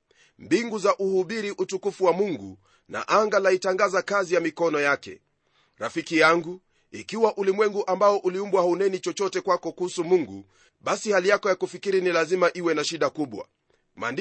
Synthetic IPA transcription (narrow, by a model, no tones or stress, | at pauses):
mbiŋɡuzaʔuhuɓiɾiʔutukufuwamuŋɡu | na̰ʔaŋɡalaitaŋɡazakazijamikɔnɔjakɛ̰ | ɾafikijaŋɡu | ikiwaʔulimwɛŋɡuʔambaɔʔuliumbwahaunɛnit͡ʃɔt͡ʃɔtɛkwakɔkuhusumuŋɡṵ | ɓasihalijakɔjakufikiɾinilazimaʔiwɛnaʃiɗakuɓwa̰ | ma̰n